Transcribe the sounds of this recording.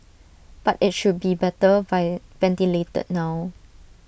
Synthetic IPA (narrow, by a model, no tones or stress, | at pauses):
b̥atɪt̚ʃud̚bibɛtəvavɛ̃ntiletə̰t̚naw